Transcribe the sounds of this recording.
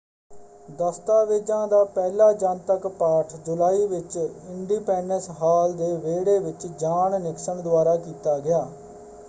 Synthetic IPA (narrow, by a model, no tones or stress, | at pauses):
d̪əst̪aːʋeːd͡ʒãːd̪aːpɛːlaːd͡ʒənt̪əkpaːʈʰd͡ʒʊlaːiːʋɪt͡ʃɪɳɖiːpɛːɳɖənsɦaːld̪eːʋeːɽeːʋɪt͡ʃd͡ʒaːɳnɪksəɳd̪ʊaːɾaːkiːt̪aːɡɪjaː